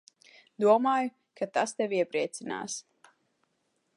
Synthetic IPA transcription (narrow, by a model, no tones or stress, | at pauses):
d̪uɔmaːjʊ | kat̪ast̪ɛviɛpɾiɛt̪sina̰ːs